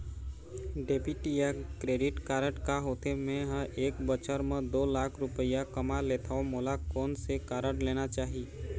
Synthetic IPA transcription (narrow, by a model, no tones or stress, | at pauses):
ɖeːpiʈijakɾeːɖɪʈkaːɾəʈkaɦoːt̪emẽɦə̃ʔeːkbət͡ʃəɾmẽd̪oːlaːkʰɾʊpəɪjakəmaleːt̪ʰaomoːlakɔːnsekaːɾəʈleːnat͡ʃaːɦi